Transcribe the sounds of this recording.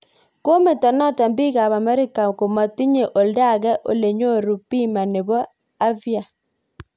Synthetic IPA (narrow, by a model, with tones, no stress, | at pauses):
ko˦me˨tɔ˨nɔ˦ta˨mbi˦ka˨βa˨mɛ˦ɾɪ˦ka˨ko˨ma˨ti˦ɲe˨ʔo˨lda˦˨ɡɛ˦ʔo̰˦le˨ɲo˦˨ɾu˨pi˦ma˨ne˨bɔ˦ | a˦vja˨